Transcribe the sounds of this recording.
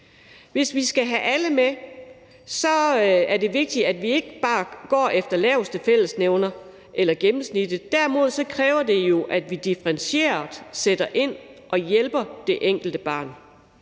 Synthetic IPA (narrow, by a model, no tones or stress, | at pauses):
ʋe̝sʋisɡ̥æɦæʔæləme | sɒ̽æɐde̝ʋe̝ɡ̥̚d̥iæd̥ʋie̝ɡ̥əb̥ɑ̈ːɡ̥ɒ̰ːʔefd̥ɐlɛːʊsd̥əfel̰əsneʊnɐ | ʔelɐɡ̥emm̩snid̥əd̥æɐmo̝ð̞̰ˠsɒ̽kʰʁɛːʊɐd̥e̝jo̝ʔæd̥ʋid̥ifəʁɛnɕe̝̰ːɐd̥ˠseɾ̥ɐʔe̝n̰ʔɒ̽jelb̥ɐd̥e̝ʔeŋ̰ɡ̥l̩d̥əb̥ɑ̰̈ːn